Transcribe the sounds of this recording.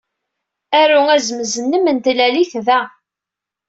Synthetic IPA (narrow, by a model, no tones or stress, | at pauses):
æɾuæzməzənːəmənt̪læliθðæ